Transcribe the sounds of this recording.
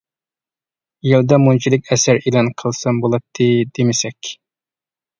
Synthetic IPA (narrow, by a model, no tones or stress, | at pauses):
jilˠd̪ɑmunt͡ʃʰid̪lˠɪkʲɛsæɾilˠɑnqʰəlˠsɑmbolˠɑt̪ʰːɨd̪emɪsɛkʲ